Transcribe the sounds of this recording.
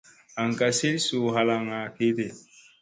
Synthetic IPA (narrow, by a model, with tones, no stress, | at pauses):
a˨ŋka˨se˦lsu˨ɦa˨la˨ŋa˨ke˦te˨